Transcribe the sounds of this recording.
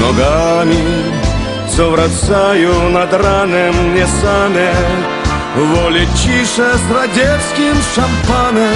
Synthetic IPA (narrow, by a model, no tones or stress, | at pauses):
nɔɡamʲɪ | səvɾɐsajʊnɐd̪ɾanɨmnʲɛsamʲɛ | vɔlʲɪt͡ɕiʂəsɾɐdʲefskʲimʂɐmpanɨm